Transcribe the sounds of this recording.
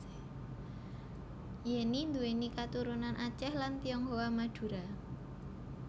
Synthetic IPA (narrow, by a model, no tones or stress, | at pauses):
jɛnind̪uwenikat̪uɾunanʔat͡ʃɛhlant̪iɔŋɦowamad̥ṳɾa